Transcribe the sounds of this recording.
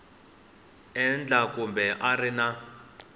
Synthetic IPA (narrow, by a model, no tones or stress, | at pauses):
ɛnd͡ɮʱakumbʱɛʔarina